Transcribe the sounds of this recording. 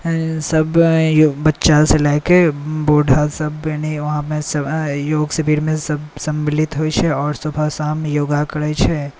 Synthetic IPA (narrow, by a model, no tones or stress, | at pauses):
sɐbjobɐtːʃaselakeboːɖʱasɐbjaːniʋɐɦãmẽsɐjoːɡsɐbʱiːɾmẽsɐbsɐ̃mbɪlɪt̪ɦoːit͡ʃʰɛɔːɾsɐbʱasaːmjoːɡakɐɾəjt͡ʃʰɛ